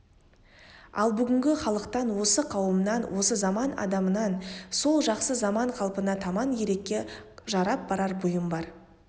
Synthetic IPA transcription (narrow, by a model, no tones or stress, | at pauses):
ɑ̰lˠbʏɡʲɪŋɡʲɪχɑlˠəqt̪ɑnwo̞səqʰɑwəmnɑnwʔo̞səzɑmɑnɑ̰d̪ɑmənɑnso̞lˠʒɑqsəzɑmɑɴqʰɑlˠpənɑt̪ʰɑmɑnje̞ɾe̞kʲːe̞ʒɑɾɑp̚bɑɾɑɾbʊjəmbɑɾ